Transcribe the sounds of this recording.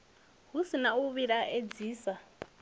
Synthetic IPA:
ɦusinauβiɺaʔed͡ziːsa

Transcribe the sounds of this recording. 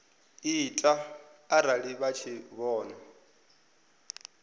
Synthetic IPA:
itʼaːɾaɺiβat͡ʃʰiβɔːna

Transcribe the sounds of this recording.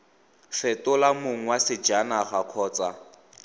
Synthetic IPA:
fɪtʊlamʊŋ̩wasɪd͡ʒanaχakʰɔːt͡sʼa

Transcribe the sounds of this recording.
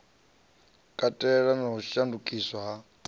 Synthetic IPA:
kʼatʼɛɺanaɦuʃandukʼiswaɦa

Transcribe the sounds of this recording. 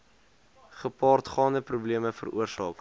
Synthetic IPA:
χəpɑːrtχɑːndəprubliəməfə̰rṵərsɑ̰ːk

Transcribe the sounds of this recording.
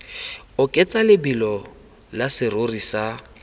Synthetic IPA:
ʊkʼet͡sʼalɪbilɔ | lasɪrorisa

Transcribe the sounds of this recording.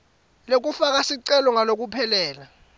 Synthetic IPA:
lok̬ʼufak̬asiǀɛlɔŋanok̬ʼupʰɛlɛːla

